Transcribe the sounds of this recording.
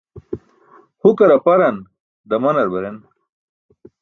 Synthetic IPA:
hukɐɾɐpɐɾɐn | d̪ɐmɐnɐɾbɐɾen

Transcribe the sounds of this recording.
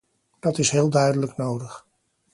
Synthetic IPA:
d̥ɑtɪsɦɪːlˠdœɥdələknowdəχ

